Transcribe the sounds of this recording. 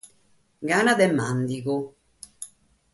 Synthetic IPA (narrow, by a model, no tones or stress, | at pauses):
ɡaːnad̪ɛmːand̪iku